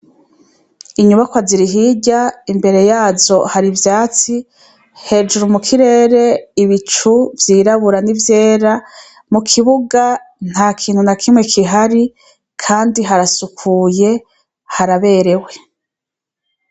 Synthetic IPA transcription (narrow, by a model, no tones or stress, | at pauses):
iɲuβakwaziɾiɦiɟaimbe̞ɾe̞jaːzo̞haɾivjaːt͡si | he̞d͡ʒuɾumukʰiɾe̞ːɾe̞iβit͡ʃuvjiːɾaβuɾanivje̞ːɾa | mukʰiβuɡan̥haːkʰiːn̥hunakʰimŋe̞kʰiɦaɾi | kʰaːndiɦaɾasukʰuːje̞ | haɾaβe̞ːɾe̞we̞